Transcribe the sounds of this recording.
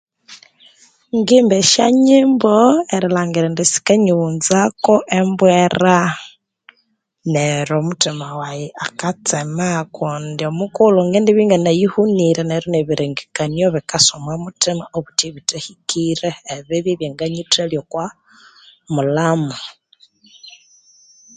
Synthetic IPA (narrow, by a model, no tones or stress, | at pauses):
ŋɡimbeʃaɲimboeɾilaːŋɡiɾendisi̥keɲunzakoʔembweɾa | neɾomutimawajiakat͡semakundiomukuluŋɡendiβiːŋɡanajihuniɾeneɾoneβiɾiŋɡikanjoβikasomwamutimaoβutiβitehikiɾeːβiβiβjeŋɡaɲiteljokwa | mulamo